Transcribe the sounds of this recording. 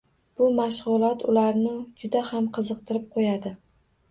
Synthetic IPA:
b̥ʊmaʃʁʊlˠɒt̪ʰʊlaɾnɪd͡ʒʊd̪ahamqʰɨzɨq̚t̪ʰɪɾɪp̚qʰojad̪ɪ

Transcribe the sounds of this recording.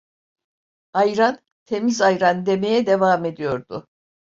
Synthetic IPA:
ajɾan | t̪ʰe̞mizajɾand̪e̞me̞jɛd̪e̞vaːme̞d̪ijo̞ɾd̪ʊ

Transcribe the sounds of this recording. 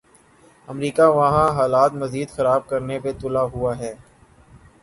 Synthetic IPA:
ɐmɾiːkaʋɐɦãɦaːlaːt̪mɐziːd̪xɐɾaːb̚kɐɾnepet̪ʊlaɦʊaɦɛː

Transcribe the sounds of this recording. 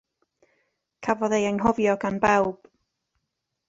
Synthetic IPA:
kʰavɔðejɛnɦɔvjɔɡanbɛwb̥

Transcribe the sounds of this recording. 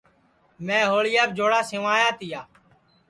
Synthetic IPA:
mẽːɦoːɭɪjaːbd͡ʒoːɽaːsɪʋaːjãːt̪ɪjaː

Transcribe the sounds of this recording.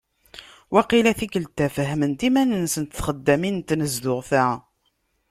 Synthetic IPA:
wæqilæθikəlt̪ːæfəɦmənt̪imænənsənt̪θχəd̪ːæmint̪nəzðʊʁθæ

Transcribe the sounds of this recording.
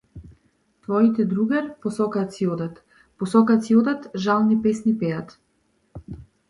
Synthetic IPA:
t̪vɔit̪ɛd̪ɾuɡaɾpɔsɔkat̪siɔd̪at̪ | pɔsɔkat̪siɔd̪at̪ʒalˠnipɛsnipɛjat̪

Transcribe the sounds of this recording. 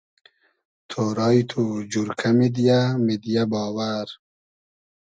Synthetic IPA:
t̪ʰoːɾɑːjt̪ʰud͡ʑuɾkʰamid̪ijamid̪ijabɑːwaɾ

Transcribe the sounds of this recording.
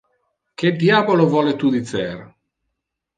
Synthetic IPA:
k̟ed̪jaːbolovɔːlet̪uːd̪it̪sɛɾ

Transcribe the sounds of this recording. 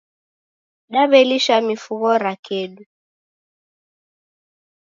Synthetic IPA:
ɗaβɛliʃamifuɣɔɾakɛɗu

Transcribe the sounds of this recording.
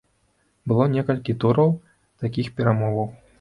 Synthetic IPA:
bɨlˠɔnʲɛkɐlʲkʲit̪uɾɐw | t̪akʲixpʲɛɾamɔvɐw

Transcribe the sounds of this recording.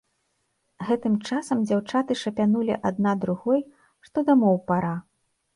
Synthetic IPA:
ɣɛt̪ɨmt͡ʂasɐmd͡zʲawt͡ʂat̪ɨʂɐpʲanulʲḭʔad̪̚nad̪ɾuɣɔj | ʂt̪ɔd̪ɐmɔwpaɾa

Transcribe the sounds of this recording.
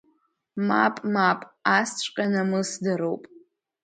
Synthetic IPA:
mapʼmapʼast͡ɕʷʼqʲʼanamɨsdɨɾowpʼ

